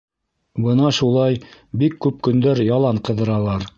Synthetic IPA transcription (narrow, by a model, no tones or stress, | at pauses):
bɤnɑʃulˠɑjbikːʉp̚kɵ̆nd̪æɾjɑlˠɑɴqɤ̆ðɤ̆ɾɑlˠɑɾ